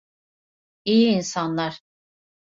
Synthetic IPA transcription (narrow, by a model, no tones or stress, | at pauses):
ijiːnsanlˠaɾ̥